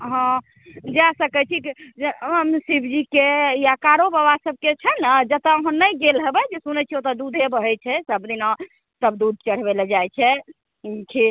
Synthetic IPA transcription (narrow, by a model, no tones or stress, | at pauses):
ɦɔ̃ | d͡ʒasəkɛt͡ʃʰiid͡ʒəmsibʱd͡ʒikejakaɾobəβasəb̚ket͡ʃʰənad͡ʒət̪əəɦənːəjɡelɦəbɛd͡ʒesunɛt͡ʃʰiot̪əd̪ud̪ʱebəɦɛt͡ʃʰɛsəbd̪inɔ̃ | səbd̪ud̪̚ʱt͡ʃəɽ̤beld͡ʒajt͡ʃʰɛ | kʰi